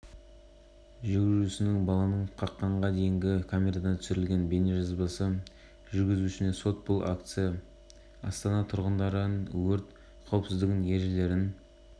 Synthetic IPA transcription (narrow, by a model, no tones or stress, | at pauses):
ʒʏɡʲɪʒusɪnɪŋbɑlˠɑnəɴqʰɑqːɑɴʁɑd̪e̞jɪŋɡʲɪkʰomʲe̞ɾad̪ɑt̪ʰʏ̥sɪɾɪlɡʲe̞nbe̞neʒɑzbəsə | ʒʏɾɡʲɪzuʃɪne̞so̞t̪̚bʊlˠʔa̰kt̪sɨja | ɑ̰st̪ɑnɑt̪ʰʊɾʁənd̪ɑɾəwʏɾt̪ | qʰɑwpsɪzd̪ɪɡʲɪne̞ɾʒɪle̞ɾɪn